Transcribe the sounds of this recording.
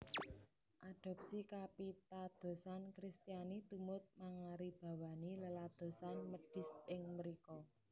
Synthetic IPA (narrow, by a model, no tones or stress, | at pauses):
ʔaɖ̥ɔ̤p̚sikapit̪ad̪̥o̤sankɾist̪ijanit̪umʊt̪̚maŋaɾib̥ä̤waniləlad̪̥o̤sanməɖ̥ɪ̤sɪŋməɾikɔ